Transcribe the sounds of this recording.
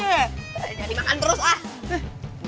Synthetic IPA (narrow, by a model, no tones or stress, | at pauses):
adimakant̪əɾʊsah